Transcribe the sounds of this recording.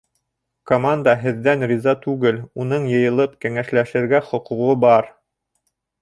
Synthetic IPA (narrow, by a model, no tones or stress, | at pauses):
komand̪əɦɘ̆ðːænrʲizɑt̪ʉɡɘlunɤɴjɤ̆jɤ̆lˠɤpkæŋæʃlæʃɘ̆ɾɡæχŏquʁobɑɾ